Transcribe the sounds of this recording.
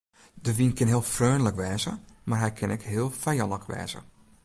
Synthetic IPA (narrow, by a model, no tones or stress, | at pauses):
dəʋinkʰɪnɦiəlˠfrøːnləkʋɛːzəmarɦɛjkʰɪnɛkɦɪəlˠfɛjɑnəkʰʋɛ̰ːz̥ə̰